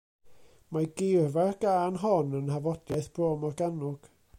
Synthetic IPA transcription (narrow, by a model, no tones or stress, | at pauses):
maɡɪrvarɡ̥aːnɦɔnənhavɔdjajθb̥roːmɔrɡanʊɡ̥